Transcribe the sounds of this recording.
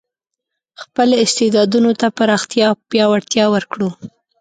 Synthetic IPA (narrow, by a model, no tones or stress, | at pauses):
xpəloɪst̪ed̪ɑd̪unot̪apaɾɑxt̪jɑpjɑwaɽt̪jɑwəɾkɽu